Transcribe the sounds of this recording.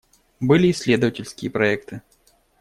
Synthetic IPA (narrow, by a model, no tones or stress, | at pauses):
bɨlʲiːsʲlʲed̪əvɐtʲɪlʲskʲɪjəpɾaɛkt̪ɨ